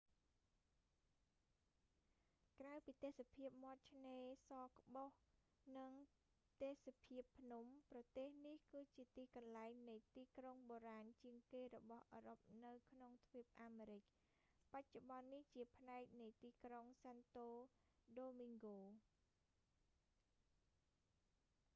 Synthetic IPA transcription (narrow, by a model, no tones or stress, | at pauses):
krawpiːt̪eːsapʰiəp̚mŏət̪̚t͡ɕʰneːsɑːkə̆ɓoh | nɨŋ | t̪eːsapʰiəpʰːnumprɑt̪eːhnihkɨːt͡ɕiət̪iːkɑnlaɛŋnɨjt̪iːkroŋɓoːɾaːnt͡ɕiəŋkeːɾɔɓɑhʔəːɾop̚nɨwkʰnoŋt̪ʰʋiəp̚ʔaːmeːɾɨc̚ | pac̚t͡ɕoɓɑnːiht͡ɕiəpʰnaɛk̚nɨjt̪iːkroŋsant̪oː | ɗoːmiŋɡoː